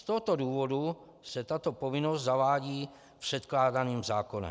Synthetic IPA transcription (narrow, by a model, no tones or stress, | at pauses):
st̪oɦot̪o̞duːvo̞du | sɛt̪at̪o̞povɪnost̪zavaːɟiː | pr̥ɛt̪klaːdaniːmzaːko̞nɛ̰m